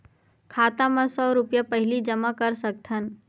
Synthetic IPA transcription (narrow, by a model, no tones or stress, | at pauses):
kʰaːt̪ãmãsɔːɾʊpjapəɦɪlid͡ʒəmakɐɾsək̚t̪ʰən